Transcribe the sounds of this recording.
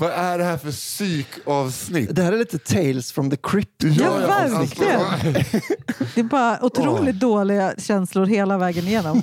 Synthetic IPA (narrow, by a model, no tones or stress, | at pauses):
vaʔæɖɛhæɾfœsyːkʰɑvsnɪd̪ɛhæːɾɛɭiːt̪ət̪ʰeɪlsfɾɔmðəkʰɾɪp̚jɑːvæɾkʰlɪɡənn | d̪ɛːbɑːɾaʔʊt̪ʰɾuːlɪt̪̚d̪oːlɪɡaɕɛnslʊɾɦeːlavɛːɡənɪjeːnɔm